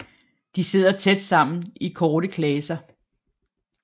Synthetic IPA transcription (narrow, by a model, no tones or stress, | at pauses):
d̥ise̝ð̞̰ˠɐt͡sʰed̥sɑ̈m̰n̩ikʰɒːɾəkʰlɛːsɐ